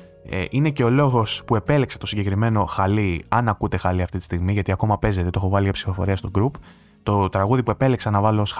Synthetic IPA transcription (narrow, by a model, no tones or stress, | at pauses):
ḛʔine̞ce̞o̞lo̞ɣo̞spue̞pe̞lekset̪o̞siɲɟe̞kɾime̞no̞xɐliɐnɐkut̪e̞xɐliɐft̪it̪i̥st̪iɣmiʝɐt̪iɐko̞mɐpe̞ze̞t̪et̪o̞xo̞vɐliʝɐpsi̥fo̞fo̞ɾiɐst̪oɡɾup | t̪o̞t̪ɾɐɣuðipue̞pe̞leksɐnɐvɐloos